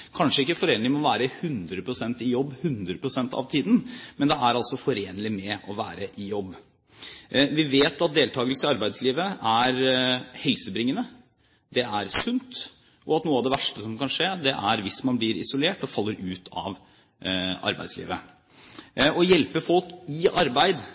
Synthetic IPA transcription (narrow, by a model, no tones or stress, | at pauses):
kʰɑnʂəɪkːəfɔɾeːnɪŋmɔʋæːɾəhʉnd̪ɾəpʰɾʊsɛnt̪ɪjɔbːhʉnd̪ɾəpʰɾʊsɛnt̪ɑ̰ʋt̪ʰiːd̪n̩mɛnd̪ɛæɾɑlsɔfɔɾeːnəlɪmɛʔɔʋæːɾəʔɪjɔbː | ʋɪʋeːt̪ɑt̪̚d̪eːlt̪ʰɑːɡəlsəɪɑɾbæɪd̪sliːʋəæɾhɛlsəbɾɪŋːənə | d̪ɛæɾsʉnt̪ | ʔɔɑt̪nuːəɑʋd̪ɛʋæʂʈəsɔmkɑnʂeːd̪ɛʔæɾʋɪsmɑnblɪɾɪ̰sʊleːʈɔfɑlːəɾʉːt̪ʰɑ̰ʋ | ɑ̰ɾbæ̰ɪd̪slḭːʋə | ɔjɛlpəfɔlkɪɑɾbæɪd̪